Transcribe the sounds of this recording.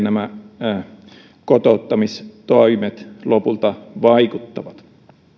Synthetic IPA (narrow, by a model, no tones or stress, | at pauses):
næmæ | kot̪ot̪ːɑmist̪oimet̪lopult̪ɑʋɑikut̪ːɑʋɑt̪